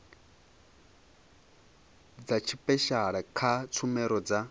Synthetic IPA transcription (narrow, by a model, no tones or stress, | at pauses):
d͡zat͡ʃʰipʼɛʃaɺakʰat͡sʰumɛɾɔd͡za